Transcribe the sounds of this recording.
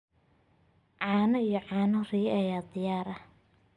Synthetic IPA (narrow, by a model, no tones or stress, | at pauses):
ʕɑːnɐijɔʕɑːnɐrɪjɛʔɐjaːd̪ɪjaːɾɐ